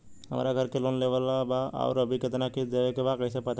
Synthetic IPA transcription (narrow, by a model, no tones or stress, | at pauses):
ɦɐma̰ːɾaɡʱɐɾkeloːnleʋəlabaɔ̰ːɾɐbʱikɪt̪naked͡ʒeekebakəɪsepɐt̪a